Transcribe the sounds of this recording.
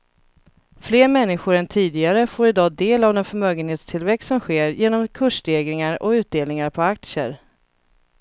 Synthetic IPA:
fleːɾmɛnːɪɧʊɾɛnt̪ʰiːd̪ɪɡaɾəfoːɾɪd̪ɑːd̪eːlavd̪ɛnfœɾmœːɡənheːt̪st̪ʰɪlvɛkst̪sɔmɧeːɾjeːnɔmkʰɵʂɖeːɡɾɪŋaɾɔ̰ʉ̟ːt̪̚d̪eːlnɪŋaɾpʰɔak̚t̪sə̰ɾ

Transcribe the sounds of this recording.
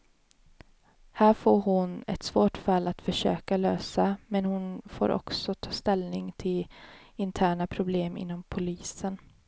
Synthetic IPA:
hæːɾfoːɾɦʊnɛ̰t̪svoːʈfalːat̪fœʂøːkaløːsamɛnhʊnfo̰ːɾʔɔ̰ksɔt̪ʰɑːst̪ɛlnɪŋt̪ʰɪlɪnt̪ʰæːɳapʰɾʊbleːmɪ̰nːɔmpʰʊliːsən

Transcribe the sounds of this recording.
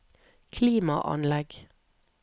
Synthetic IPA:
kʰliːmɑ̰ʔɑ̰nlɛɡ

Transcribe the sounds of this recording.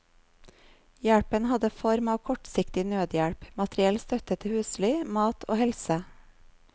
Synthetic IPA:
jæɽpənhɑd̪əfɔɾmɑːʋkʰɔʈsɪkt̪ɪnøːd̪jæɽpmɑt̪ɾɪɛlst̪œt̪ət̪ʰəhʉːsliːmɑːt̪ʰo̰ːhɛlsə

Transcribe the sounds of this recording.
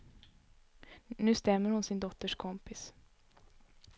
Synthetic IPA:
nʉ̟ːst̪ɛmːəɾhʊnsɪnd̪ɔt̪ːəʂkʰɔmpɪs

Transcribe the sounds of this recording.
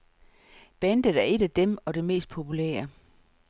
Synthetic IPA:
b̥end̥əðˠæɐe̝ɾ̥æd̥emɒ̽de̝me̝̰ːsd̥̚pʰo̝pʰulḛːɐ

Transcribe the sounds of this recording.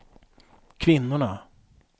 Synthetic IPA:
kʰvɪnːʊɳa

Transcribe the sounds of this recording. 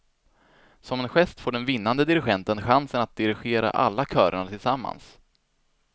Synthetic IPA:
sɔmɛnɧɛst̪foːɖɛnvɪnːand̪əd̪ɪɾɪɧɛnt̪ənɧansənat̪̚d̪ɪɾɪɧeːɾa̰ʔa̰lːakʰœːɾaɳat̪ʰɪlsamːa̰ns

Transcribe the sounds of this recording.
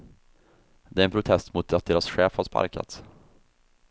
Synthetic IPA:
d̪ɛɾɛnpɾʊt̪ʰɛst̪mʊt̪̚d̪at̪̚d̪eːɾasɧɛːfhaɾspa̰ɾka̰t̪s

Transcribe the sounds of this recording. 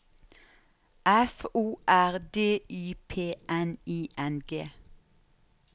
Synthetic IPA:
ʔæfuːʔæʁd̪eːyːpʰeːʔɛniːʔɛnɡeː

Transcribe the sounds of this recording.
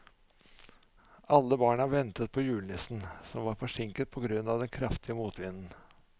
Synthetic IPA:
ɑlːəbɑːɳəɑʋɛnt̪ət̪̚pʰɔjʉːlnɪsn̩sɔmʋɑːɾfɔʂɪŋkət̪̚pʰɔɡɾʉnːɑʋd̪ɛnkʰɾɑft̪ʰɪəmuːt̪ʰʋɪnn̩

